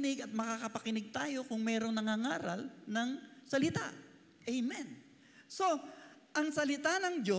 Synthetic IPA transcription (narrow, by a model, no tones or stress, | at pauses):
nɪɡɐt̪̚mɐkakɐpɐkɪnɪɡ̚t̪aːjo̞kʊŋmɛːɾo̞ŋnɐŋaŋaːɾɐ̰lnɐŋsɐlɪt̪a̰ | ʔɛjmɛn | so̞ʔɐŋsɐlɪt̪anɐŋd͡ʒo